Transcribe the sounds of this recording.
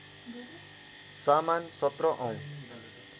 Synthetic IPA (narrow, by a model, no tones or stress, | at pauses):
samansʌt̪rʌʔʌ̃w̃